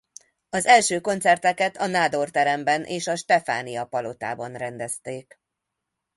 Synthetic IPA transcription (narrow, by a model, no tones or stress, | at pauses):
ɒzɛlʃøːko̞nt̪sɛrt̪ɛkɛt̪ʰɒnaːd̪o̞rt̪ɛɾɛmbɛnʔeːʃɒʃt̪ɛfa̰ːnijɒpɒlo̞t̪a̰ːbɒnrɛnd̪ɛst̪eːk